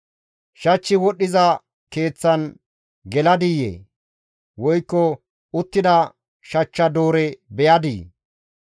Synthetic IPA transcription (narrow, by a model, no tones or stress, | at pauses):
ʃɐt͡ʃːɪwɔɗːɪzɐ | ke̞ːt͡sːɐn | ɡɛlɐd̪ijḛː | wɔjkːɔ | ʊt̪ːɪd̪ɐ | ʃɐt͡ʃːɐd̪oːɾɛbɛjɐd̪ḭː